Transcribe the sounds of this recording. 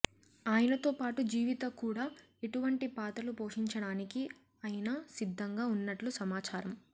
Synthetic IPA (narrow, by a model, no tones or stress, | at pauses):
aːjɐnɐt̪o̞ːpaːʈud͡ʒiːʋit̪ɐkuːɽaː | eʈuʋɐɳʈipaːt̪ɐlupoːʂiɲt͡ʃɐɽaːniki | ɐjɐnɐsid̪ʱːɐŋɡaːunːɐʈlusɐmaːt͡ʃaːɾɐm